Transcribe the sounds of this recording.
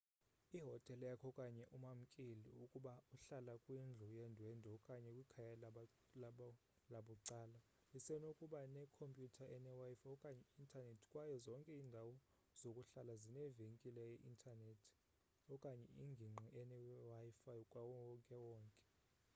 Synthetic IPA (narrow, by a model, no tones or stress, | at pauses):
iɦɔtʼɛljakʰɔkʼaɲɛʔumam̩kʼiliukʼuɓauɬalakʼwind͡ɮʱujɛndʱwɛndʱɔkʼaɲɛkʼwikʰaja | laɓuǀaːla | isɛnokʼuɓanɛkʰompʼjutʰaʔɛnɛwajifajɔkʼaɲɛintʰʼanetʰi̥kʼwajɔzɔŋkʼɛiːndʱawɔ | z̥okʼuɬalazinɛveŋkʼilɛjɛʔintʰʼanetʰi̥ | ɔkʼaɲɛiŋɡʱiŋ͡ǃʱiʔɛnɛwafajikʼwawŋkʼɛwɔːŋkʼɛ̥